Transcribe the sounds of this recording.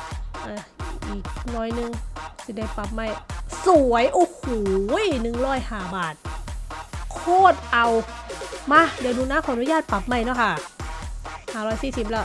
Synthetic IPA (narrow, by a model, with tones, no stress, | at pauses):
ʔa˧˩ʔiː˨˩k̚nɔː˧˩˨jnɯ˧ŋsi˧˦da˧˩jpa˨˩p̚ma˧˥˩jsu˨˦əjʔoː˧huː˨˩jnɯ˨ŋɾɔː˧˥˩jhaː˧˩baː˨˩t̪̚ | kʰoː˧˥˩t̪̚ʔa˨˧wmaː˧˥˨di˧˦˨nuː˧˨naː˧˥˨kʰɔː˧˨nu˧˦jaː˧˥˩t̪̚pa˨˩p̚ma˧˩˨jnɔ˧˥˩kʰa˧˩ | haː˨˩ɾɔː˧˩jsiː˧˩si˨˩p̚lɛ˧˩˨